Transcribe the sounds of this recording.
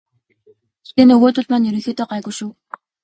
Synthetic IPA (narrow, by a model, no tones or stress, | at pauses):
t̪eːnɵɣoːt̪ʊ̆ɮmaːnɵɾɵ̆xʲeːt̪ɔːɢaːɣʊʃuː